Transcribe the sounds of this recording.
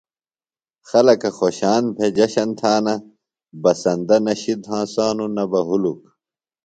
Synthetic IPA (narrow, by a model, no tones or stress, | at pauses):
xɐlɐkɐxoːɕaːnpʰed͡ʑɐɕɐnt̪ʰaːnɐ | bɐsɐnd̪ɐnɐɕid̪ɦãːsaːnunɐbɐɦuluk